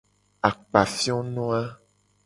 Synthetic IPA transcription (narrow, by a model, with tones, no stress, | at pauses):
a˨k͡pa˨fi˦ɔ̃˦nɔ̃˦a˦